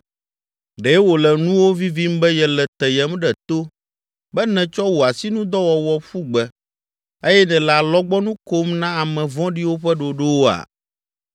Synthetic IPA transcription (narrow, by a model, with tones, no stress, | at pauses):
ɖɛ˨˦wo˨lɛ˨nũ˦wo˦vi˦vi˦m˦bɛ˦jɛ˨lɛ˨t̪ɛ˨jɛ˨mɖɛ˨t̪o˦ | bɛ˦nɛ̃˨t͡ʃɔ˦wo˨a˨si˦nũ˦d̪ɔ˦wɔ˨wɔ˨ɸu˦ɡ͡bɛ˦ | e˦jɛ˦nɛ̃˨la˨lɔ˦ɡ͡bɔ˦nũ˦ko˦mnã˦a˨mɛ̃˨vɔ̃˦ɖi˦wo˦ɸɛ˦ɖo˨ɖo˦wo˦a̰˨